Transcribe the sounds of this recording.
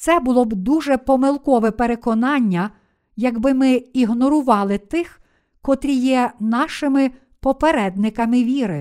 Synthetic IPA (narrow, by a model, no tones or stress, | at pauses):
t̪sɛbʊlˠɔbd̪uʒɛpɔmɪlˠkɔʋɛpeɾekɔnɑnʲːɐ | jɐɡbɪmɪiɦnɔɾʊʋɑlˠɪt̪ɪx | kɔt̪ɾʲijɛnɑʃɪmɪ | pɔpeɾɛd̪̚nɪkɐmɪʋʲiɾɪ